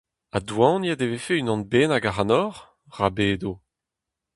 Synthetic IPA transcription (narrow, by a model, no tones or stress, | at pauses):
adwɑ̃ːnjad̪evefeynɔ̃nbeːnaɡaʁanɔʁ | ʁabeːd̪o